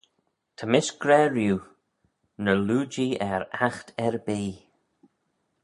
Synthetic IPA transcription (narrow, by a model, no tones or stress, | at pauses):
t̪ʰəmɪsɡ̥ɾɛɹjuː | nəluːd͡ʒiɛɹaxt̪ʰɛɹbiː